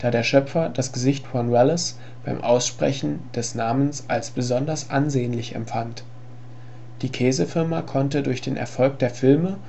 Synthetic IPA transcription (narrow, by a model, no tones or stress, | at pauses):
d̥aːdeːɐʃœpfɐdasɡ̥əzɪçtwɔnʁɛlɛs | b̥aɪmʔaʊsʃpʁ̥ɛ̰çn̩d̥ɛsnaːmənsʔalsb̥əzɔndɐsʔanzeːənlɪçɛ̰mpfant | d̥iːkʰɛːzəfɪɐmakʰɔntədʊɐçd̥eːnʔɛ̰ɐfɔlk̚d̥eːɐfɪlmə